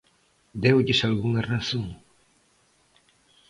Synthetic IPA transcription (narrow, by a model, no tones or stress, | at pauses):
d̪ewʎɪsalɣuŋɐraθõŋ